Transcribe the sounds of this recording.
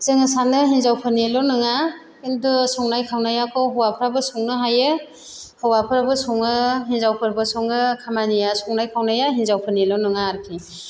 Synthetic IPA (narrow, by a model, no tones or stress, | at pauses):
z̥ɯŋɯsanɯɦinzawpʰɯnilɔnɯŋa | kindusɔŋnajkʰawnajakʰɔɦɔwapʰɯɾabɯsɔŋnɯɦajɯ | hɔwapʰɯɾabɯsɔŋɯɦinzawpʰɯɾbɯsɔŋɯkʰamanijasɔŋnajkʰawnajaɦinzawpʰɯnilɔnɯŋaːɾpʰi